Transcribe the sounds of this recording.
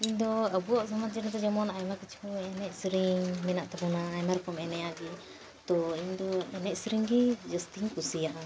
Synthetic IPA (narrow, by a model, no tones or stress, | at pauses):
iɲd̪ɔəbuɔʔsamat̪̚d͡ʒɛɾɛt̪ɔd͡ʒɔmɔnajmakit͡ʃʰuɛnɛcsɾiŋmɛnaʔt̪abɔnaːjmaɾkɔmɛnɛjaɡi | t̪ɔiɲd̪ɔɛnɛcsɾiŋɡid͡ʒəst̪iŋkusijaʔa